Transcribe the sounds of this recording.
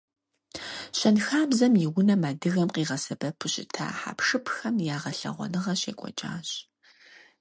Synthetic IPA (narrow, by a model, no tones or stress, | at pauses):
ɕɐnxaːbzɐmjɪwʊnɐmaːdɨɣɐmqiːʁɐsɐbɐpʰʊɕʼɪ̰tʰa̰ːħa̰ːpʂɨpʰxɐmjaːʁɐɬɐ̰ʁʷɔ̰nɨʁɐɕeːkʷʼɔ̰t͡ʃʼa̰ːɕ